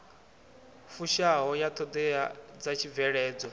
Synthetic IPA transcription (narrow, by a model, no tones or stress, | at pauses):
fuʃaɦɔjat̪ʰɔd̪ɛad͡zat͡ʃʰivɛɺɛːd͡zɔ